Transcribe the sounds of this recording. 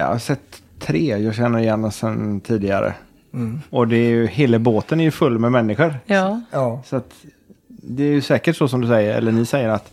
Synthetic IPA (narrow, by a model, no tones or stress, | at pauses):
ɑ̰a̰sɛt̪ʰː | ɾeːjɑːɡɕɛnːəɾɪjɛnːasɛnt̪ʰiːd̪ɪɡa̰ɾə̰ | ɔd̪ɛːɾjɵheːlaboːt̪ənæɾjɵfɵlːmɛmɛnːɪɧəɾ | sɔat̪ | d̪ɛːɾjɵsɛːkəʈsɔsɔmd̪ɵsɛjːəɾɛ̰lːəɳɪsɛjːəɾat̪